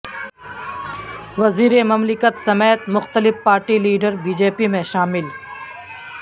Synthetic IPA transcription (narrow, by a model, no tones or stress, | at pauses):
ʋɐziːɾemɐmlɪkət̪sɐmeːt̪mʊxt̪əlɪfpaːɾʈiliːɖəɾbiːd͡ʒeːpimẽʃaːmɪl